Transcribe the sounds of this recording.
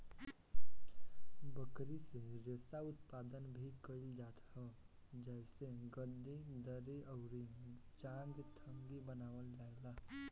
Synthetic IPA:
bəkɾiseɾeːsaʊt̪paːd̪ənbʱikəɾild͡ʒaːt̪ɦɛ | d͡ʒɛːseɡəd̪ed̪əɾeʔɔʊɾe | t͡ʃãŋɡt̪ʰə̃ŋɡibənaːʋəld͡ʒaːeɡlaː

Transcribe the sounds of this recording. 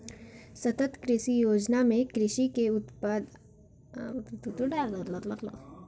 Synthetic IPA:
sɐt̪ət̪kɾɪʃijoːd͡ʒnamẽkɾɪʃikeʊt̪pəd̪ | t̪ut̪uʈalat̪lɐt̪lat̪la̰

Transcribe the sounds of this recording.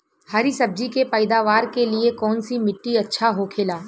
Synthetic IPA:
hɐɾisɐb̚d͡ʒikepəɪd̪aːʋaːɾkeliekɔːnsimɪʈːiɐtːʃʰaɦokʰeːlaː

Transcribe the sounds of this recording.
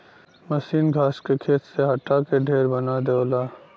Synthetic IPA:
məsiːnɡʱaːskekʰeːt̪seɦɐʈːakeɖʱeːɾbɐnad̪eolaː

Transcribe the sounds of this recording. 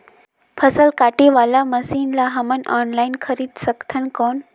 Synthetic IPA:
fʰəsəlkaʈeʋalaməsiːnlaɦəmənɔnlainkʰəɾiːt̪səkt̪ʰənkɔn

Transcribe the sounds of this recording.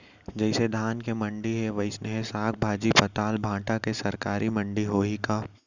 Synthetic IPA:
d͡ʒɛɪsed̪ʱaːnkemɐ̃ɳɖiɦeʋɐɪsneɦesaːk̚bʱaːd͡ʒipɐt̪aːlbʱãːʈakesɐɾkaːɾimɐ̃ɳɖiɦoːikaː

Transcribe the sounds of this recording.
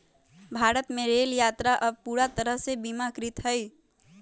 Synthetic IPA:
bʱaːɾət̪mẽɾeːljaːt̪ɾaʔəb̚puːɾat̪əɾəɦsebimakɾɪt̪ɦəj

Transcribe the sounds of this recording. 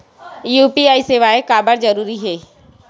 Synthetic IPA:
juːpiaːiseːʋaːekaːbəɾd͡ʒəɾuːɾiɦeː

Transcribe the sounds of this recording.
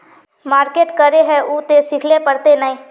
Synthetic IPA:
maːɾkeːʈkɐɾeɦɛʔuːt̪esɪkʰlepɐɾt̪enɐĩː

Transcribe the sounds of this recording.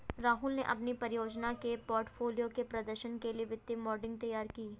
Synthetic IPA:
ɾaːɦʊlneʔɐpnipɐɾjoːd͡ʒnakepɔːɾʈfʰoːlijokepɾɐd̪əɾʃənkelieʋɪt̪ːɪmɔːɾɖɪ̃ŋɡ̚t̪ɐjaːɾkiː

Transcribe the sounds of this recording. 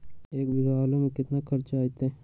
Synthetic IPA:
eːkbʱiɦaːlomẽkɪt̪nakʰɐɾt͡ʃaːit̪ː

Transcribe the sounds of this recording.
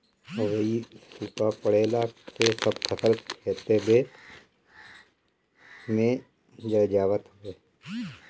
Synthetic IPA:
oʋəisuːpapəɽeːlaːksesəbkʰəsəlkʰeːt̪ebeː | mẽ | d͡ʒəd͡ʒaːʋət̪ɦʋeː

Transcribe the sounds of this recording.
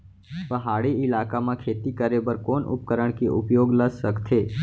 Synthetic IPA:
pəɦaɽiɪlakamãkʰet̪ikəɾebəɾkonʔʊ̰p̚kəɾəɳkiʔʊ̰pjoɡləsʃəkt̪ʰe

